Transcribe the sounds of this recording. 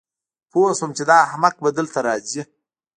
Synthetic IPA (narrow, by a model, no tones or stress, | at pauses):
posomt͡ʃed̪ɑhamaq̚bad̪əlt̪aɾɑːzi